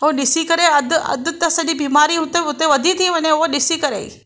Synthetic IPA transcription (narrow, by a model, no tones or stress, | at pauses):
oɗɪsikɐɾeɐd̪ʱʊɐ̰d̪ʱʊ̆t̪ɐsɐʄibiːmaːɾiɦʊt̪eɦʊt̪eʋɐd̪ʱĩt̪ʰĩʋɐɲẽʊɦoɗɪsikɐɾḛːḭ